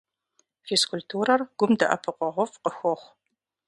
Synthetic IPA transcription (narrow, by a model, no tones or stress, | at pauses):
feskʰʊltʰuːɾɐrɡ̥ʷʊmdɐ̰ʔɐ̰pʰɨqʷʼɔʁʷɔfqəxʷɔχʷ